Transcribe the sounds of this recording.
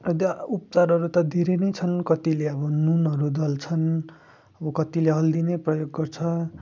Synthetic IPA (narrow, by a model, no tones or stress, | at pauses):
ʌt̪ʌupt͡saɾʌɾut̪ʌd̪ʱeɾenʌjt͡sʰʌnkʌt̪ileʌbʌnunʌɾud̪ʌlt͡sʰʌn | ʌbʌkʌt̪ileɦʌld̪ineprʌjoɡːʌrt͡sʰʌ